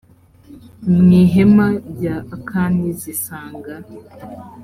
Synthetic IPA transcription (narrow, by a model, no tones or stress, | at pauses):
mŋiɦemaɾɟakʰaːndizisaːŋɡa